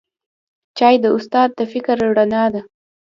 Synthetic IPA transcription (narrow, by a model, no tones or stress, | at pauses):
t͡ʃɑjd̪əʊst̪ɑd̪̚ːəfɪkɾɽanɑd̪a